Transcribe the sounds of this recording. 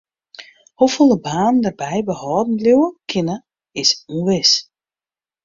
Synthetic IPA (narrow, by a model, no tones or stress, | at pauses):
hofolˠəbaːnəndərbɛjbəhɔːdn̩dljuwəkʰɪnə | ɪsuʋɪs